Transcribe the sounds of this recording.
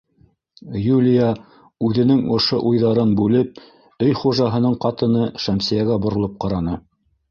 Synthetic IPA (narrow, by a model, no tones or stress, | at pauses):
julʲija | ʉðɘ̆nɘŋŏʃo̰ʔujðɑɾɤnbʉlɘp̚ | ɵjχuʒɑɦɤ̆nɤɴqɑt̪ɤ̆nɤʃæmsijæɡæbŏɾŏlˠop̚qɑɾɑnɤ